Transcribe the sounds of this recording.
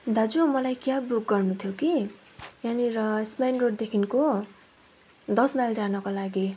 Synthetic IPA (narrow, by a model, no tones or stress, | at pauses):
d̪ʱad͡zumʌlajkjabuk̚ɡʌrnut̪ʰjoki | janiɾʌspajnroʈ̚d̪ekʰinko | d̪ʌsnajld͡zanʌkolaɡi